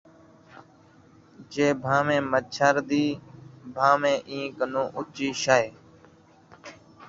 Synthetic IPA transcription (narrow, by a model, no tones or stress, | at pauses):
d͡ʒeːbʱãːmẽːmət͡ʃʰəɾd̪iːbʱaːmẽːʔĩːkənũːʔʊt͡ʃiːʃaːeː